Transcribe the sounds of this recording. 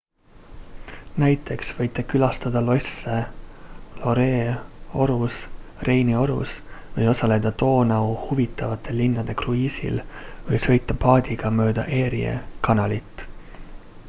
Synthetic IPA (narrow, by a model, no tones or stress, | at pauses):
næjt̪ːˑe̞ksvɤjt̪ːˑe̞kylɑst̪ɑd̪̥ɑlo̞se | lo̞ɾeːo̞ɾusrʔe̞jnio̞ɾṵsvɤjo̞sɑle̞d̪̥ɑt̪o̞ːnɑuhuvit̪ːˑɑvɑt̪ːˑe̞linːɑd̪̥e̞kruiːsḭlvɤjsɤ̞jt̪ːˑɑpɑːd̪̥iɡ̥ɑmø̞ːd̪ɑ̰ʔe̞ːɾiḛkɑnɑlit̪ːˑ